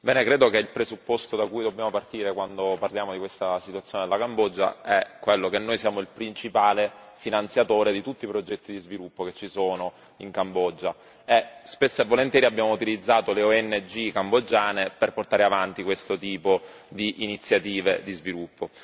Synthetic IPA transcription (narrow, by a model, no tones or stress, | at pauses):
bɛːnekɾeːd̪okeilpɾezupːost̪od̪akujd̪objaːmopart̪iːɾekwand̪oparljaːmod̪ikwest̪asit̪uat̪sːjoːned̪elakambɔd͡ʒːa̰ɛkːwelːokenːoːjsjaːmoilpɾint͡ʃipaːle | finant̪sjat̪oːɾed̪it̪ut̪ːipɾod͡ʒɛt̪ːid̪izvilupːoket͡ʃːisoːno | iŋkambɔd͡ʒːa | ɛspesːoɛvːolent̪jɛːɾiabːjaːmout̪ilid̪zːaːt̪oleoɛnːed͡ʒikambod͡ʒːaːneperport̪aːɾeavant̪ikwest̪ot̪iːpo | d̪iʔinit̪sːjat̪iːved̪izvilupːo